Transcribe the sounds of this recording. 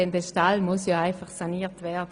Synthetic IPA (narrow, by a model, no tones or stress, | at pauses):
ɛndɛʃtalmʊsjɔːaɪfaχsaniːtvɛɐd